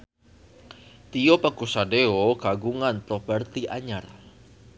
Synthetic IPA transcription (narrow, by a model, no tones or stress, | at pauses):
t̪ijopakusadeoɡaɡuŋanpɾopərt̪iʔaɲar